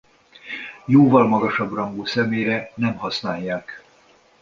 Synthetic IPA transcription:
joːvɒlmɒɡɒʃɒbrɒŋɡoːsɛmeːɾɛnɛmɦɒsnaːjːaːk

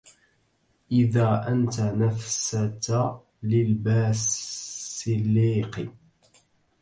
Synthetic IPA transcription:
ʔɪðaːʔant̪anafsat̪a | lɪlbaːs | ɪlːiːqɪ

